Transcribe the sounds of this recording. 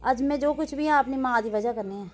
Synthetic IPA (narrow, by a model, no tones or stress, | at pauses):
ɐd͡ʒmẽd͡ʒoːkʊt͡ʃʰbʱiɦɛ̃ɐpnimãːd̪iʋɐd͡ʒakɐɾneɦɛ̃ː